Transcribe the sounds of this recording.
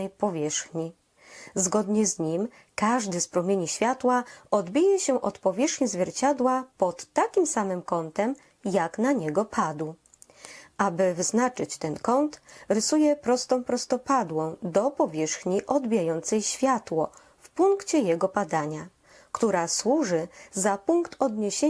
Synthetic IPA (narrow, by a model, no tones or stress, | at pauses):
ɛjpɔvʲjɛʂxɲi | zɡɔd̪ɲɛzɲim | kaʐd̪ɘspɾɔmʲjeɲiɕfʲjat̪waʔɔd̪bʲijɛɕɛʔɔt̪pɔvʲjɛʂxɲizvʲjɛɾt͡ɕad̪wapɔt̪ːakʲimsamɘmkɔnt̪ɛm | jaknaɲɛɡɔpʰad̪w | ʔabɘvznat͡ʂɘt͡ɕt̪ɛnkɔnt̪ɾɘsujɛpɾɔst̪ɔ̃w̃pɾɔst̪ɔpad̪wɔ̃w̃d̪ɔpɔvʲjɛʂxɲiʔɔd̪bʲijajɔnt̪sɛjɕfʲjat̪wɔ | fpuŋkt͡ɕɛjɛɡɔbad̪aɲa | kt̪uɾaswuʐɘzapuŋkt̪ɔd̪ɲeɕe